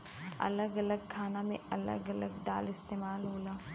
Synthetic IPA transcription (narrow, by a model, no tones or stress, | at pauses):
ɐ̰ləɡɐləɡ̚kʰaːnamḛ̃ɐlə̰ɡɐləɡɖ̪a̰ːlɪst̪eːmaːlɦoːlaː